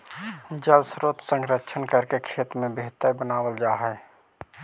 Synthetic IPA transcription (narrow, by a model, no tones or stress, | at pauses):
d͡ʒəlsɾoːt̪sə̃ŋɡɾətʃʰənkəɾkekʰeːt̪ɾmẽbeɦt̪əɾbənaːwəld͡ʒaːɦɛː